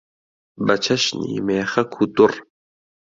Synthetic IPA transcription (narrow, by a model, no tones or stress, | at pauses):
bɐt͡ʃʰɐʃnḭːmeːxɐkʰut̪ur